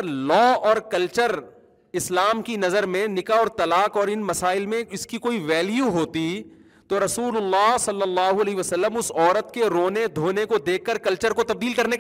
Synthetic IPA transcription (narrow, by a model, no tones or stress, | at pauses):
lɔːɔːɾkɐlt͡ʃəɾ | ɪslaːmkinɐzəɾmẽnɪkaɔːɾt̪ɐlaːkɔːɾɪnmɐsaːɪlmẽɪskikoːiʋɛːljuɦoːt̪i | t̪oɾɐsuːlʊlːaːsɐlːəlːaːɦuɐlɛːɦʋɐsəlːəmʊsɔːɾət̪keɾoːned̪ʱoːnekod̪eːkʰːəɾkɐlt͡ʃəɾkot̪ɐb̚d̪iːlkɐɾnek